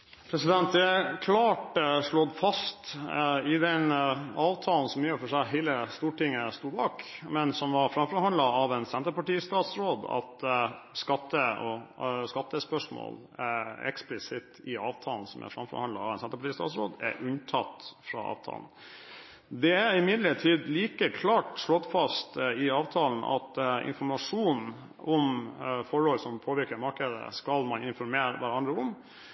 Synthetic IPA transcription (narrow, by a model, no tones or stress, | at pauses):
pʰɾɛsɪd̪ɛnt̪̚d̪ɛækʰlɑːʈʂɭɔd̪fɑst̪ɪd̪ɛnɑːʋt̪ʰɑːln̩sɔmjyːɾfɔʂæɪɦæɪləst̪uːʈɪŋːəst̪uːbɑːkmɛnsɔmʋɑɾfɾɑmfɔɾhɑnd̪ɑɑʋɛnsɛnt̪əɾpɑʈiːst̪ɑːt̪sɾoːd̪ɑ̰t̪skɑt̪ːəɔskɑt̪ːəspœʂmo̰ːl | æɛ̰ksplɪsɪt̪ɪɑːʋt̪ʰɑːln̩sɔmæ̰ɾfɾɑmfɔ̰ɾhɑnd̪ɑɑʋɛnsɑnt̪ɑpɑʈʰiːst̪ɑ̰ːsɾo̰ːd̪æ̰ʔʉnt̪ʰɑt̪fɾɑ̰ɑ̰ːʋt̪ʰɑ̰ːln̩ | d̪ɛæɾɪmɪd̪ləʈʰiːd̪liːkəkʰlɑːʈʂɭɔt̪ːfɑst̪ɪɑːʋt̪ʰɑːln̩ʔɑ̰t̪ɪ̰nfɔɾmɑʂuːn | ʔɔmfɔɹɔlsɔmpʰoːʋɪɾkəɾmɑɾkəd̪ə̰skɑlmɑnɪnfɔɾmeːɾʋæɾɑnd̪ɾəʊm